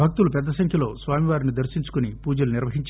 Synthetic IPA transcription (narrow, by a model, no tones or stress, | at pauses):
bʱɐk̚t̪ulupɛd̪ːɐsɐŋkʰjɐlo̞ːsʋaːmiʋaːɾinid̪ɐɾʃiɲt͡ʃu̥kunipuːd͡ʒɐluniɾʋɐɦiɲt͡ʃ